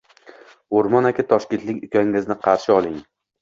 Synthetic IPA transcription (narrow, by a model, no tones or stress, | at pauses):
oɾmɒnakʲat̪ʰɒʃkʲe̞nt̪lɪkʲʊkʰʲaŋɪznɪqʰɑɾʃɪɒlˠɪŋ